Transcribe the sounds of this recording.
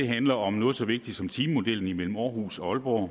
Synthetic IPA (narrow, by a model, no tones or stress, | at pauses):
e̝ɦænlɐɒ̽mnɔ̽ːð̩ˠsɒ̽ʋe̝ɡ̥̚d̥id̥sɒ̽mt͡sʰiːmmo̝d̥el̰n̩imel̰m̩ɒːhuːsɒ̽ɒ̽lb̥ɒ